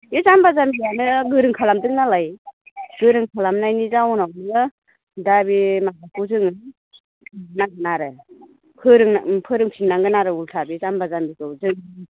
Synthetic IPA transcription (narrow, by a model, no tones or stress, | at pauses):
jɯzambazambijanɯɡɯɾɯŋkʰalamdɯŋnalajɡɯɾɯŋkʰalamnajnizawɔnaw̚nɯ | dabimakakuzɯŋɯ | naŋɡɯnaɾɯ | pʰɯɾɯŋpʰɯɾɯŋpʰinːaŋɡɯnaɾɯultʰabizambazambikɯwzɯŋ